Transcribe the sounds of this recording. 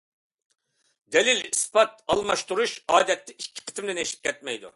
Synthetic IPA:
d̪ɛlilispʰɑt̪̚ɑlˠmɑʃt̪uɾuʃɑːd̪ɛt̪ːɪikʲʰːi̥qʰe̥t̪ʰɪmd̪ɪneʃi̥p̚ʲkʲʰɛt̪̚mɛjd̪ṵ

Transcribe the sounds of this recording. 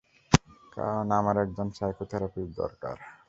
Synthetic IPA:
ka̰ɾonamaɾɛk̚d͡ʑonsajkot̪ʰɛɾapib̚d̪ɔ̰ɾka̰ɾ

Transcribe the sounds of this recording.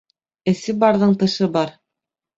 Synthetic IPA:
ɘ̆sɘbɑɾðɤɴt̪ɤ̆ʃɤbɑɾ

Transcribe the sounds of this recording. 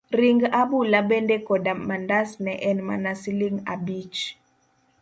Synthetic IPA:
ɾiŋɡabulabɛndɛkɔdamandasnɛʔɛnma̰nasiliŋa̰bit͡ʃ

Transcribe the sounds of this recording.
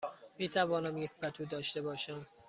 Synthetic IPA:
miːt̪ʰævɒːnæmjecʰʲfæt̪ʰuːd̪ɒːʃt̪e̞bɒːʃæm

